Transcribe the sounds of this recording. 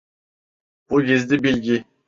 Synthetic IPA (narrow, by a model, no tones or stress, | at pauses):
b̥uɡʲizd̪ɪbilʲɡʲi